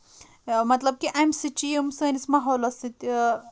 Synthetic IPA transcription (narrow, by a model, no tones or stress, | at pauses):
mɐt̪lɐb̚kiʔɐmsit͡ʃijəmsɐːnismaɦoːlɐsit̪